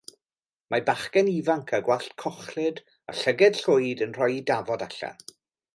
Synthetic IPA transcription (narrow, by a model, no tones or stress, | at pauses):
mʔabaχkɛnivaŋkʰaɡwaɬtkʰɔχlɪd | a̰ɬəɡɛd̥ɬʊjdənr̥ɔjidavɔdaɬa̰